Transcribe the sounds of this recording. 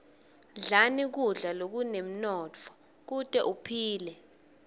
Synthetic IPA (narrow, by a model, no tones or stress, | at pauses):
ɮanik̬uɮalok̬unem̩nɔt͡fʰɔ̥ | k̬utʼɛʔupʰiːlɛ